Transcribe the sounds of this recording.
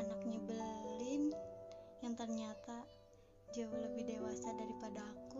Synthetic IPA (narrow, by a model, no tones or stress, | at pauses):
anak̚ɲabəlɪn | jaŋt̪ərɲat̪a | d͡ʒawuləbɪhdewasadaɾipadaːku